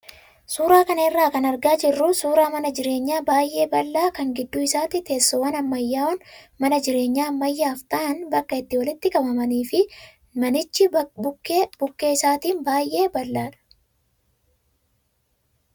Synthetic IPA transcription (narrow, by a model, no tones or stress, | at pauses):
suːɾaːkɐnɐɪrːaːkɐnɐɾɡaːd͡ʒɪrːʊsuːɾaːmɐnɐd͡ʒɪɾe̞ːɲːaːbaːjʔe̞ːbɐlːaːkɐŋɡɪd̪ːʊɪsaːt̪it̪e̞ːsːɔwɐnɐmːɐjːaːɔn | mɐnɐd͡ʒɪɾe̞ːɲːaːmːɐjːaːft̪ɐʔɐnbɐkːɐɪt̪ːɪwɐlɪt̪ːɪkʼɐbɐmɐniːfɪ | mɐnɪt͡ʃːɪ | b̥ʊkːeːɪsaːt̪iːnbaːjʔe̞ːbɐlːaːᶑɐ̥